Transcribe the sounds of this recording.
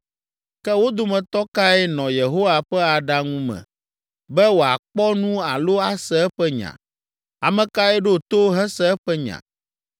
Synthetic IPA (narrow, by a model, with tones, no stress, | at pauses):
kɛ˦wo˦d̪o˨mɛ̃˨t̪ɔ˦ka˦ɛ˦nɔ̃˨je˨ɦo˦wa˨ɸɛ˦a˨ɖa˦ŋũ˦mɛ̰̃˨ | bɛ˦wo˨a˨k͡pɔ˦nũ˦a˨lo˦a˦sɛ˦ɛ˦ɸɛ˦ɲã̰˨ | a˨mɛ̃˨ka˦ɛ˦ɖe˦o˨t̪o˦ɦɛ̃˦sɛ˦ɛ˦ɸɛ˦ɲã̰˨